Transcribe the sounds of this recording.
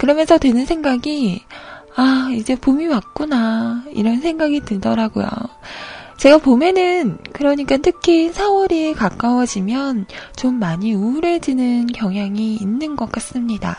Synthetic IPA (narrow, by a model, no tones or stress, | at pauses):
kɯɾʌmjʌnsʰʌtwenɯnsʰe̞ŋɡaɡi | aid͡ʑe̞pomiwak̚k͈unaḭɾʌnsʰe̞ŋɡaɡitɯɭdʌɾaɡojo̰ | t͡ɕe̞ɡapomjʌnɯnkɯɾʌɲik͈atʰɯkʰisʰaoɾikak͈awʌd͡ʑimjʌnt͡ɕomːaɲiuɾed͡ʑinɯnkjʌŋɦjaŋiːnːɯnɡʌk͈̚as͈ɯmɲida̰